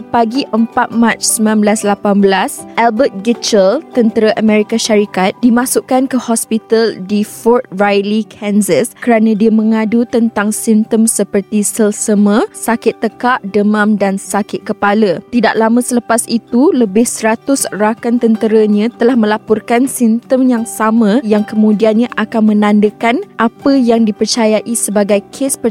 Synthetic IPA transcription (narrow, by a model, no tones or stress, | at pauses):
paɡiʔəmpat̪̚mãt͡ʃsəmãnblaslapanbəlasʔɛlbət̪̚ɡit͡ʃəlt̪ənt̪əɾaʔəmɛ̃ɾikaʃaɾikat̪̚dimãsuʔkankəhɔspit̪aldifɔrt̪̚rajlikʰɛnsəskəɾanãdiəmə̃ŋadut̪ənt̪aŋsimt̪əmsəpərt̪isəlsəmə̃sakɪt̪ːəkaʔdəmãmdansakɪt̪̚kəpalət̪idaʔlamãsələpasit̪uləbɪhsəɾat̪ʊsrakant̪ənt̪əɾaɲãt̪əlahmə̃lapɔrkansint̪əmjaŋsamãjaŋkəmũdianɲãʔakanmə̃nãndəkanʔapəjaŋdipərt͡ʃajaʔisəbaɡajkʰespə